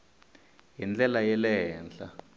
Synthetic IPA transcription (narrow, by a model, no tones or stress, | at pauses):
jind͡ɮʼɛlajɛlɛɦɛːnd͡ɮa